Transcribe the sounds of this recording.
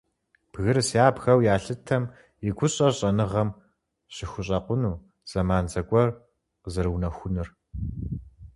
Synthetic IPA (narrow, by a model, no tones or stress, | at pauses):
b̥ɣɨrsaːbxɐwjaːɬɨtʰɐm | jɪɡʷʊɕʼɐɕʼɐnɨʁɐm | ɕɪxʷʊɕʼɐqʷʊnuː | z̥ɐmaːnzɐkʷʼɔr | qəzɐrwnɐxʷʊnɨr